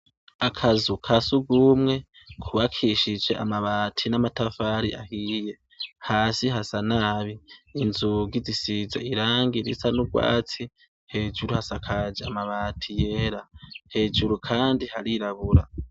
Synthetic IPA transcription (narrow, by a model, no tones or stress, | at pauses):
akʰazukʰasuɡumŋe̞ | kʰuβakʰiʃid͡ʒe̞ʔamaβaːtʰinamatafaːɾiʔahije̞ | haːsiɦasanaːβiːnzuɡizisizaiɾaːŋɡiɾḭsanuɡwa̰ːt͡si | he̞ːd͡ʒuɾuhasakʰad͡ʒeamaβaːtʰije̞ːɾahe̞ːd͡ʒuɾukʰaːndihaɾiɾaβuɾa